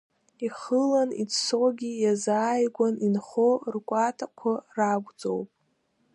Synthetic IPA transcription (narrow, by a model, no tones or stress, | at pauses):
iχəlanḭt͡sʰsoɡʲijazaːjɡʷaninχorkʷʼatʰakʷʰaraɡʷd͡zʼo̞̰wpʼ